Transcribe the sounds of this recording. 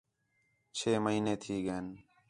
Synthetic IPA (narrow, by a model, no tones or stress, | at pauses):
t͡ʃʰeːməɦiːneːt̪ʰiːɡeːn